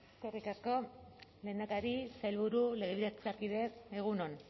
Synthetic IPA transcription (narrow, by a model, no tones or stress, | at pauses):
skorikasko̞le̞nd̪akaɾisajlβuɾule̞ɣ̞e̞βiðat͡sakiðe̞eɣ̞uno̞n